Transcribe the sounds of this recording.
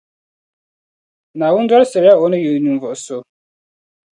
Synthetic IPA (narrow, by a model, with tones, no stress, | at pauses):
nã˨wʊ̃˦n̩˦dwa˦ɾsɛ˨ɾa˦ɔ˨˦nʊ̃˦jo˨nũ˨vɔ˨so˦